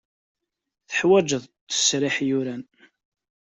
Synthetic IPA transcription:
θə̥ħwæd͡ʒəðt̪ːə̥sɾɪħjʊɾæn

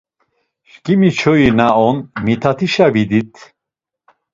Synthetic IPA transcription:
ʃkʼimit͡ʃʰɔjinaɔnmit̪ʰat̪ʰiʃavid̪it̪ʰ

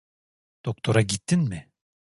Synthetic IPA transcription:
d̪̥ok̚t̪ʰo̞ɾaɟit̪ʰːinmɪ

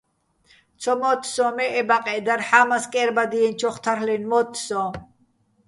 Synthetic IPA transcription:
t͡sʰɔmɔt̪ʰsɔ̃mɛʔɛbaqʼɛd̪aɾħaːmaskʼɛɾbad̪iɛnt͡ʃʰɔχt̪ʰaɾlɛnmɔt̪ʰsɔ̃

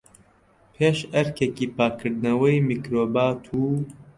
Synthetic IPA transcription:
pʰeːʃɛɾkekiːpaːkʰɨɾd̪nɐwɐjmikɾoːbaːt̪ʰuː

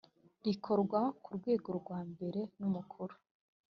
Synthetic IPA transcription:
ɾikʰo̞ɾɡwakuɾɡwe̞ːɡo̞ɾɡwaːmbe̞ɾe̞numukʰuɾu̥

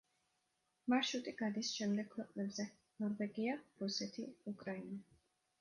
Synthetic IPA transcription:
maʃut̪ʼiɡ̥ad̪isʃɛmd̪ɛɡ̚ʰwɛqʼnɛbzɛ | nɔɾvɛɡiaɾusɛt̪ʰiukʼɾaina

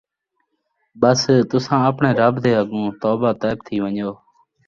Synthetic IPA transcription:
ɓəst̪ʊsãːəpɳeːɾəbd̪eːɦəɠũːt̪oːbaːt̪aːbt̪ʰiːʋəɲoː

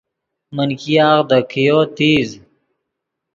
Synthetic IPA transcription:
mənkiaːɣd̪əkʰijoːt̪iːz

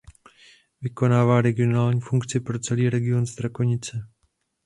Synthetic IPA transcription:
vɪko̞naːvaːɾɛɡɪo̞naːlɲiːfuŋkt͡sɪpɾo̞t͡sɛliːɾɛɡɪo̞nzt̪ɾako̞ɲɪt͡sɛ

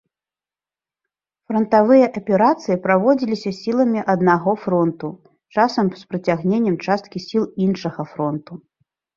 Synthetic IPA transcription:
fɾɐnt̪avɨjɐʔɐpʲɛɾat̪sɨjipɾavɔd͡zʲilʲisʲɐsʲilˠɐmʲiʔɐd̪naɣɔfɾɔnt̪u | t͡ʂasɐmspɾɐt͡sʲaɣnʲenʲːɛmt͡ʂast̪̚kʲisʲilˠinʂɐɣɐfɾɔnt̪u

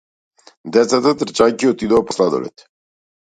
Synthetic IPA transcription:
d̪ɛt̪sat̪at̪əɾt͡ʃajkiot̪id̪oaposlad̪o̰lɛ̰t̪

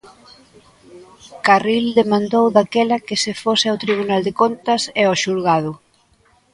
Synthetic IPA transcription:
karild̪emãnd̪owðakɛlɐkɪsɪfosɪawt̪ɾiβ̞unald̪ekont̪ɐseɔʃuɾɣaðʊ

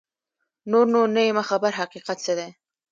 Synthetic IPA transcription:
noɾnoɾnəemaxabaɾɦaqiqat̪̚səd̪e

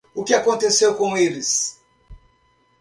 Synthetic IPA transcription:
ʊkɪakõnt̪esewkõelɪs

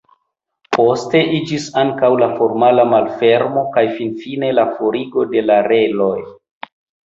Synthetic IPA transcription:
po̞ste̞ʔid͡ʒisaŋkawlafo̞ɾmalamalfe̞ɾmo̞kajfinfine̞lafo̞ɾiɡo̞de̞laɾe̞lo̞j

